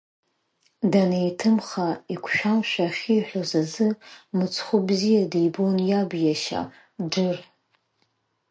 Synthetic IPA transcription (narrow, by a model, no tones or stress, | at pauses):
danejtʰɨmχaikʷʰʃᶣamʃʷᶣaχʲiːħʷᶣozazɨmɨt͡sʰχʷʊbzijadijbonjabjaʃa̰ | ɖ͡ʐɨr